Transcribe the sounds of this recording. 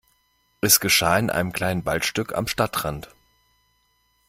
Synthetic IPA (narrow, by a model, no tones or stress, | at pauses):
ʔɛsɡ̥əʃaːɪnʔa̰ɪnəmkl̥aɪnənbaltʃtʏkʰa̰mʃtatʁ̥ant